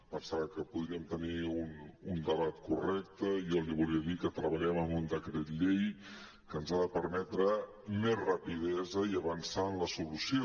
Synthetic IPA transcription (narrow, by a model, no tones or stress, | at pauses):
pənsaβəkəpuðɾiəmt̪əniunund̪əβat̪kurɛk̚t̪əjɔliβuliəðikət̪ɾəβəʎɛməmund̪əkɾet̪ʎej | kənzaðəpəɾmɛt̪ɾə | mezrəpiðɛzəiəβənsanləsulusio